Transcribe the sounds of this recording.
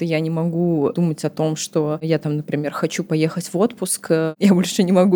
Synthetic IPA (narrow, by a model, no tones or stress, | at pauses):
t̪əjanʲɪmɐɡud̪umətʲɐt̪o̞mʂt̪o̞jat̪amnəpɾʲɪmʲe̞rxɐt͡ɕupɐje̞xətʲvo̞t̪pʊskjabo̞lʲʂɨnʲɪmɐɡu